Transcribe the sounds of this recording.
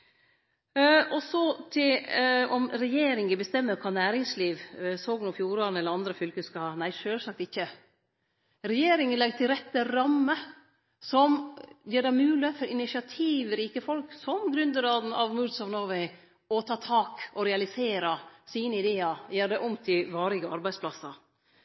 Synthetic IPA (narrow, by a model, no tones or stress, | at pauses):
ʔɔsɔt̪ʰɪlɔmɾɛjeːɾɪŋəbəst̪ɛmːəkʰɑːnæːɾɪŋsliːʋsoːɡnʊfjuːɾɑnəɛlːəɾɑnd̪ɾəfʏlkəskɑhɑnæɪʂøːlsɑk̚t̪ɪçːə | ɾɛjeːɾɪŋənlɛɡt̪ʰɪlɾɛt̪ːəɾɑmːə | sɔmjeːɖæɪmʉːləfɔɾɪnɪʂɪɑt̪ʰiːʋɾiːkəfɔlksɔmɡɾʉnd̪əɡɾɑːd̪n̩ɑʋmʉɾd̪sɑʋnoːʋɛɪ | ɔt̪ʰɑːt̪ʰɑːkɔɾɛɑlɪseːɾɑsiːnəɪd̪eːɑjæːɾɖ̪ɛʔʊmt̪ʰɪlʋɑːɾɪɡəɑɾbæɪdspʰlɑsːɑ